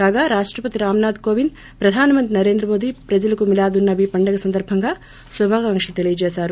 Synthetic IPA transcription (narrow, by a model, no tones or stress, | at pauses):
kaːɡaːɾaːʂʈɾɐpɐt̪iɾaːmnaːd̪koːʋin | pɾɐd̪ʱaːnɐmɐnt̪ɾinɐɾe̞ːnd̪ɾɐmo̞ːd̪iːpɾɐd͡ʒɐlɐkumilaːd̪unːɐʋiːpɐɳɖɐɡɐsɐnd̪ɐɾbʱɐŋɡaː | subʱaːɡɐɐŋkʂɐlut̪e̞lijɐt͡ʃɛːsaːɾu